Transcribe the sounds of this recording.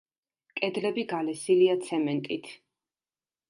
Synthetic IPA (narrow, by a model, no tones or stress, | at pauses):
kʼɛd̪lɛbiɡalɛsiliat̪sʰɛmɛnt̪ʼit̪ʰ